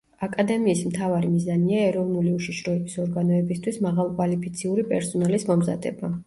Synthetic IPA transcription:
akʼad̪ɛmiːsmt̪ʰavaɾimizaniaɛɾɔvnuliuʃiʃɾɔɛbisɔɾɡanɔɛbist̪ʰwismaʁalˠkʼvalipʰit̪sʰiuɾipʼɛɾsɔnalismɔmza̰d̪ɛ̰ba

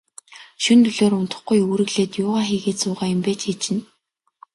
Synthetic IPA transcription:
ʃunt̪ɵɮoːɾʊnt̪ə̆χɡujuːɾɘ̆ɣɮeːt̪jʊːʁaːxiːɣeːt͡sʊːʁaːjʊ̆mpeːt͡ɕxiːt͡ɕɪ̆n

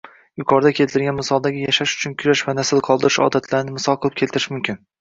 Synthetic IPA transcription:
jʊkʰɒɾd̪akʲʰe̞lt̪ɪɾɡʲanmɪsɒlˠd̪aɡʲɪjaʃaʃʊ̥t͡ʃʰʊnkʲʰʊɾaʃvanasɪlˠqʰɒlˠd̪ɪɾɪʃɒ̰d̪at̪ʰlaɾnɪmɪsɒlˠqʰɨlˠɪp̚kʰʲelˠt̪ʰɪɾɪʃmʊmkʲʰɪn

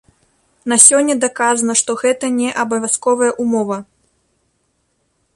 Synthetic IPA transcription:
nasʲɔnʲːɛd̪akazɐnɐʂt̪ɔɣɛt̪ɐnʲɛʔɐbɐvʲaskɔvɐjɐʔumɔvɐ

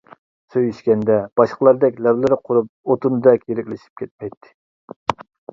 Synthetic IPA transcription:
søjlyʃkʲɛnd̪ɛb̥ɑʃqəlˠɑɾd̪ɛkʲlæblˠɨɾɨqʰʊɾup̚ot̪unɨd̪ɛkʲjeɾɪkʲlɪʃi̥p̚kʲʰɛt̪̚mɛjt̪ʰːɪ̥

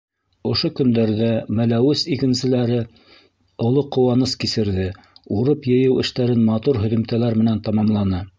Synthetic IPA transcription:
ŏʃokɵ̆nd̪æɾðæmælæwɘsikɘ̆nsɘ̆læɾɘ | ŏlˠoqŏwɑnɤskisɘ̆ɾðɘ | uɾɤpjɤ̆jɘwɘ̆ʃt̪æɾɘnmɑt̪uɾɦɵ̆ðɵ̆mt̪ælæɾmɘ̆nænt̪ɑmɑmlˠɑnɤ

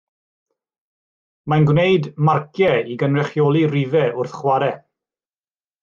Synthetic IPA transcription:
manɡwneɨdmarkʰjɛiɡənrɛχjɔlˠirɪvɛʊrθχwaɾɛ

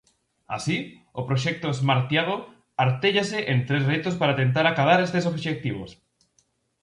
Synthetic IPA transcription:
a̰si | ʊpɾoʃɛk̚t̪ʊezmaɾt̪jaɣ̞o | aɾt̪eʎasɪʔent̪ɾezret̪ʊs̬paɾat̪ent̪̬aɾakaðaɾest̪esoβʃek̚t̪iβ̞os

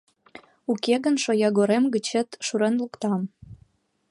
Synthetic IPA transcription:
ukeɣənʃojɑɣoɾemɡə̆t͡ɕĕt̪ʃuɾenlukt̪ɑm

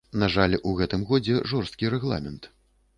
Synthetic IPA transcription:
naʐalʲuɣɛt̪ɨmɣɔd͡zʲɛʐɔrst̪̚kʲiɾɛɣlˠa̰mʲɛnt̪

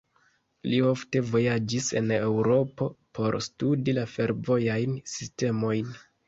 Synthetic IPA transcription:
lio̞fte̞vo̞jad͡ʒise̞̰ne̞wɾo̞po̞po̞ɾstudilafe̞ɾvo̞jajnsi̥ste̞mo̞jn

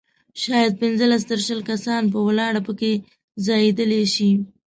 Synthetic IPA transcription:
ʃɑjad̪̚pɪnzəlas̬d̪əɾʃəlkasɑnp̬əwalɑɽapəke | zɑjed̪əleʃi

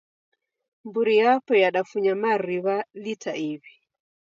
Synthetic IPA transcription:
mbuɾijapɔjaɗafuɲamaɾiβalitʰaiβi

